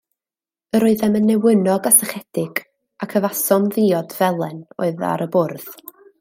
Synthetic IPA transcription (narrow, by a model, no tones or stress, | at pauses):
əɾoɨðɛmənːɛwənɔɡasəχɛd̥ɪɡ̥ | akʰəvasɔnðiɔdvɛlˠɛno̰ɨða̰ɾəbʊrð̥